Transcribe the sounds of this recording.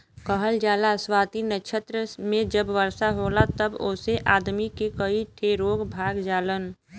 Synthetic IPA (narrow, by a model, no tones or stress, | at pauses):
kəɦəld͡ʒaːlaswaːt̪inəʃʰət̪ɾəmẽd͡ʒəbʋəɾsaɦoːlat̪əbʊseʔaːd̪mikekəiʈʰeɾoːɡbʱaːɡd͡ʒaːlən